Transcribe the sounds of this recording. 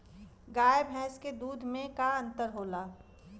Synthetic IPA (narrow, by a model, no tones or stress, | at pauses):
ɡaːjebʱɛːsked̪uːd̪ʱmẽkaɐ̃nt̪əɾɦoːlaː